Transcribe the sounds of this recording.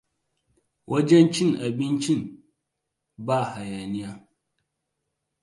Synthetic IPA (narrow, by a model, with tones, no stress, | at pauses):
wʔo˦d͡ʒe˦nt͡ʃi˦na˨bi˦nt͡ʃi˦n | ba˦˨ha˨ja˨ni˦ja˦